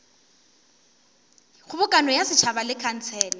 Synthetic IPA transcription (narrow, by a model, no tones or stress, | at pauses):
ɣʊbʊkʼanɔjasɪt͡ʃʰabalɪkʰan̩t͡sʰɛːlɛ